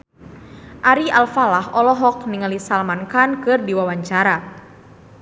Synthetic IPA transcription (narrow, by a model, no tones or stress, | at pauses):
ʔaɾialfalaɦɔlɔɦɔk̚niŋalisalmankankɨrdiwawaɲt͡ʃaɾa